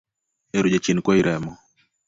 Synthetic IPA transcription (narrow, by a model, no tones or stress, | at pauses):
eɾud͡ʒet͡ʃinkwɔiɾɛmɔ